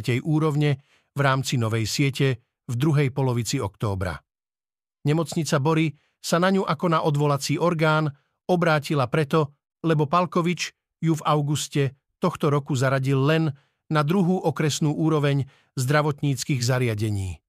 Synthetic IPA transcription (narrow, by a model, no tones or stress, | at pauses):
cɛjʔuːɾɔʊɲɛ | vɾaːmt͡sinɔʋɛjsɪɛcɛ | vd̪ɾuɦɛjpɔlɔʋit͡siɔkt̪ɔ̰ːbɾa̰ | ɲɛmɔt͡sɲit͡sabɔɾi | sanaɲuʔakɔnaʔɔd̪ʋɔlat͡siːʔɔɾɡaːn | ɔbɾaːcilapɾɛt̪ɔ | lɛbɔpalkɔʋit͡ʃ | juvaʊɡuscɛ | t̪ɔxt̪ɔɾɔkuzaɾaɟilːɛnː | ad̪ɾuɦuːʔɔkɾɛsnuːʔuːɾɔʋɛɲ | zd̪ɾaʋɔt̪ɲiːt͡skiːɣzaɾɪaɟɛɲiː